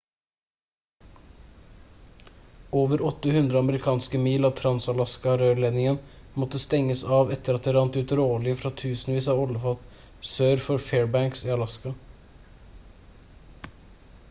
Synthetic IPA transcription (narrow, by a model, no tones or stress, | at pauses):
oːʋəɾɔt̪ːəhʉnd̪ɾəɑməɾɪkʰɑːnskəmiːlɑːʋt̪ʰɾɑnsɑlɑskɑɾøːleːd̪nɪŋən | mɔt̪ːəst̪ɛŋːəsɑːʋɛt̪ːəɾɑt̪̚d̪eːʋɑnt̪ʉt̪ɾoːlɪəfɾɑt̪ʰʉːsn̩ʋiːsɑːʋɔləfɑt̪ | søːɾfɔɾfeːɹbæŋksiːɑlɑskɑ